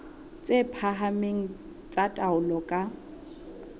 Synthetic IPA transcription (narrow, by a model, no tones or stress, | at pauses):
t͡sʼepʰaɦameŋ̩ | t͡sʼatʼaʊlɔkʼa